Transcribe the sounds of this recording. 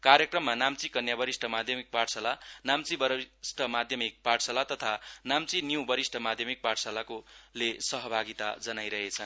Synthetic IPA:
kaɾjʌkrʌmːanamt͡sikʌnjabʌɾisʈʰʌmad̪ʱjʌmik̚parsʌlanamt͡sibʌsʈʰʌmad̪ʱjʌmik̚paɽsʌlat̪ʌt̪ʰanamt͡sinjũbʌɾisʈʰʌmad̪ʱjʌmik̚paʈsalakolesʌɦʌbʱaɡit̪a̰d͡zʌnajɾʌɦet͡sʰʌn

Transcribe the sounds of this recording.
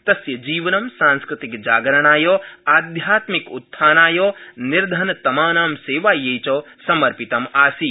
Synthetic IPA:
t̪ɐsjɐd͡ʒiːʋɐnɐmsãːnskɾɪt̪ikd͡ʒaːɡɾɐnaːjoːaːd̪ʱjaːt̪mikut̪ʰːaːnaːjoːniɾd̪ʱɐnt̪ɐmaːnaːmseːʋaːjejt͡ʃoː | sɐmɐɾpit̪ɐmaːsi

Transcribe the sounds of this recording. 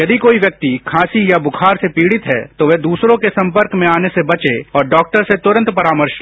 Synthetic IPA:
jɐd̪ikoːiʋjɐk̚t̪ikʰãːsijabʊkʰaːɾsepiːɽɪt̪ɦɛ̰t̪oʋed̪uːsɾõkesɐ̃mpəɾkmẽaːnesebɐt͡ʃeɔːɾɖɔːk̚ʈəɾset̪ʊɾə̃nt̪pɐɾaːməɾʃ

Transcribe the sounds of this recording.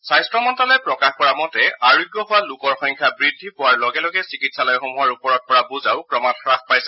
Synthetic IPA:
sajstɹɔmɔntalɔjpɹɔkaxkɔɹamɔtɛaɹiɡjɔɦʊwalʊkɔɹxɔŋkʰjabɹidʱːipʊwaɹlɔɡɛlɔɡɛsikitsalɔjxomuɦaɹupɔɹɔt̚pɔɹabuzaʊkɹɔmatxɹaxpajsɛ

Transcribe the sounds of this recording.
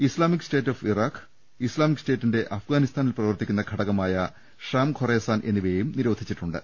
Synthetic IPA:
islaːmikste̞ːtːoːfiraːkː | islaːmikːste̞ːtːinde̞ʔɐfɡaːnist̪ʰaːnilprɐʋɐrt̪ikʲːunːɐɡʱɐɽɐɣɐmaːjɐ | ʂaːmkʰoreːsaːnʔe̞nːiʋejumniɾoːd̪ʱit͡ɕːiʈːuɳɖɨ̰

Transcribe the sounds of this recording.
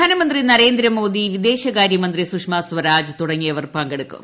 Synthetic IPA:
aːnɐmɐnd̪rinɐɾe̞ːnd̪ɾɐmo̞ːd̪iʋid̪e̞ːɕɐɣaːɾjɐmɐnd̪risukʂmaːsʋɐɾaːd͡ʑɨt̪uɽɐŋːijɐʋɐrpɐŋɡeɽukːṵm

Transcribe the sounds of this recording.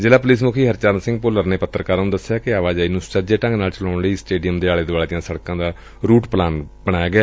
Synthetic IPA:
d͡ʒeːlaːp̬ʊliːs̬mʊkʰiːɦəɾt͡ʃaːɾnsɪ̃ŋɡpʊləɾneːpət̪ːəɾkaːɾnũd̪əsːejaːkɪaːʋaːd͡ʒaːinũːst͡ʃəd͡ʒeːʈə̃ŋɡnaːlt͡ʃəlaːʊɳliːsʈeːɖijəmd̪eːaːleːd̪ʋaːlːd̪ɪjãːsəɽkãːd̪aː | ɾuːʈplaːnbəɽ̃aːjaːɡɪjaː

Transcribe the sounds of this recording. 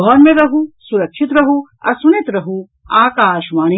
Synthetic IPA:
ɔːɾmeɾɐɦusuɾɐkʃit̪ɾɐɦu | ɐ̰sunet̪ɾɐɦu | aːkaːʃmaːni

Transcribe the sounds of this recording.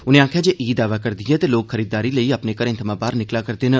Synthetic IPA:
ʊnẽãːkʰjaːd͡ʒeːʔiːd̪aːʋaːkəɾd̪ɪjɛ̃t̪eloːkxʰəɾiːd̪ːaːɾiləiəpneːkəɾə̃nt̪ʰəmãːbaːɾnɪklakəɾd̪eːnə

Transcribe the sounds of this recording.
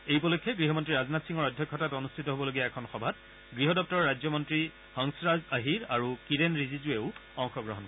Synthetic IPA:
ejpɔlɔjkʰːɛɡɹiɦɔmɔntɹiɹaznatsiŋɔɹɔdʱjɔkʰːɔtatonustʰitɔɦobɔloɡijaɛkʰɔnxɔbʱat | ɡɹiɦɔdɔp̚tɔɹɔɹajzɔmɔntɹi | hɔŋsɹazaɦiɹaɹukiɾenɹizizueʊɔŋxɔɡɹɔɦɔnkɔ

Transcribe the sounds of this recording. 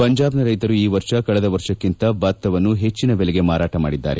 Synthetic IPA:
pɐɲd͡ʒaːbnɐɾɐjt̪ɐɾuiːʋɐɾʂɐkɐɭɛd̪ɐʋɐɾʂɐkːint̪ɐbaːt̪ːɐʋɐnːuɦe̞t͡ʃːinɐbelɛɡe̞maːɾaːʈɐma̰ːɽid̪ːa̰ːɾe̞̰

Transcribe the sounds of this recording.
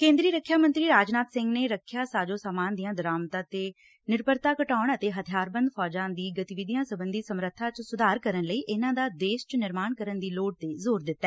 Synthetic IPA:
kẽːnd̪ɾiːɾəkʰːjaːmə̃nt̪ɾiːɾaːd͡ʒnaːt̪sɪ̃ŋɡneːɾəkʰːjaːsaːd͡ʒõːsaːmaːnd̪ijãːd̪əɾaːmt̪ãːt̪eː | nɪɾpəɾt̪aːkəʈaːʊɳət̪eːɦət̪ʰɪjaːɾbənd̪pʰɔːd͡ʒãːd̪iːɡət̪ɪʋɪd̪ɪjãːsəbənd̪iːsəmɾət̪ʰːaːt͡ʃsʊd̪aːɾkəɾənləiːʔɪnãːd̪aːd̪eːʃt͡ʃənɪɾmaːɳkəɾənd̪iːloːʈ̚t̪eːzoːɾd̪ɪt̪ːaɛː

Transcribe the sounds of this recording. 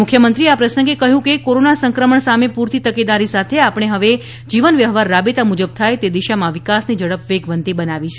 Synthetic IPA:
mʊkʰjəmənt̪ɾiapɾəsəŋɡekəɦjũkekoɾonasəŋkɾəməɳsamepuɾt̪it̪əked̪aɾisat̪ʰeapɽ̃eɦəʋe | d͡ʒiʋənʋjəɦʋaɾːabet̪amud͡ʒəb̚t̪ʰajt̪ed̪iʃamãʋikasnid͡ʒəɽəpʋeɡʋənt̪ibənaʋit͡ʃʰ

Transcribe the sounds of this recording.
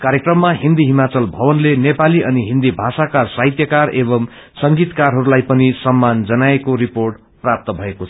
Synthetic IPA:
kaɾjekrʌmːaɦind̪iɦimat͡sʌlbʱʌbʌnlenepaliʔʌniɦind̪ibʱasakasaɦit̪jʌkarebʌm | sʌŋɡit̪karɦʌɾulajpʌnisʌmːand͡zʌnaekoɾiporʈ | prap̚t̪ʌbʱʌekoʌ

